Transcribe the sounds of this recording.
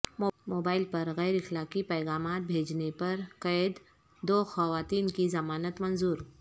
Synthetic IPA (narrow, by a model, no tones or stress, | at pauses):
momoːbaːɪlpəɾɣɛjɾixlakipəjɣaːmat̪̚bʱed͡ʒnepəɾkəjəd̪ | d̪oxɐʋaːt̪iːnkizɐmaːnət̪mənzuːɾ